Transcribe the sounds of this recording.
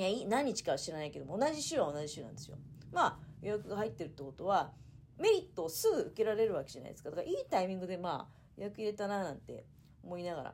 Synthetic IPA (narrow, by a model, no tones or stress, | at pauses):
aiːnãɲ̟ːit͡ɕi̥kaβaɕiɾanaike̞d̪omo̞ːnaʑiɕɨːβao̞naʑiɕɨːnã̰nd̪e̞sɨjo̰maːjo̞jakɯ̟ɡaɦait̪ːe̞ɾɯ̟t̪ːe̞ko̞t̪o̞βa | me̞ɾʲit̪ːo̞ːsɨɡɯ̟ɯke̞ɾaɾe̞ɾɯ̟βakeʑana̰id̪esɨ̥kad̪akaɾaʔiːt̪aimʲĩŋɡɯ̟d̪e̞maː | jo̰jakɯ̟iɾe̞t̪ananãnt̪e̞̰ | omo̞inaɣa̰ɾa̰